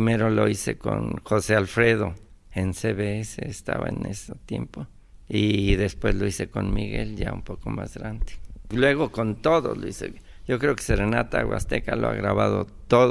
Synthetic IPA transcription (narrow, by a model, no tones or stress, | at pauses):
imeɾoloiseko̰nxosealfɾeðoenseβeeseest̪aβaeneset̪jempo | iðespwesloisekonmiɣeljaumpokomazɣɾand̪e̥lweɣokont̪oðoloise | jokɾeoke̥serenat̪aɣwast̪ekaloa̰ɣɾaβaðot̪oð